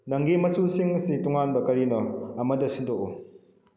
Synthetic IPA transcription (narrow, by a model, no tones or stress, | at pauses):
naŋɡimɐsusiŋsituŋanbɐkɐɾinɔɐmɐdɐsindɔko